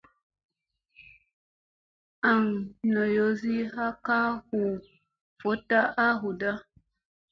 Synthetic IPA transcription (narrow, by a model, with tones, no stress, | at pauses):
a˨ŋ˨nɔ˨jo˨˦zi˦ɦa˦ka˦hu˨ | fo˨˦ta˦ʔa˦ɦu˨da˦